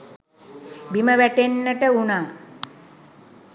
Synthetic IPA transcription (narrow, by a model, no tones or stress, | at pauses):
biməʋæʈenːəʈəunaː